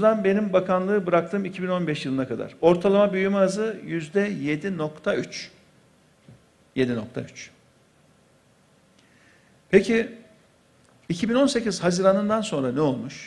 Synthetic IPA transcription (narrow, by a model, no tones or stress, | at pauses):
ud̪anbe̞nimbakʰanlˠɯːbɯɾak̚t̪ʰɯːmicʰibino̞nbɛʃjɯlˠɯnakʰad̪a̰ɾ̥o̞ɾt̪ʰalˠamabyjymaːzɯjyzd̪ɛje̞d̪ino̞kt̪ʰayt͡ʃ | je̞d̪ino̞kt̪ʰa̰yt͡ʃ | pʰecʰi | icʰibino̞nse̞ciz̥haziɾanɯnd̪anso̞nɾanɛolˠmuʃ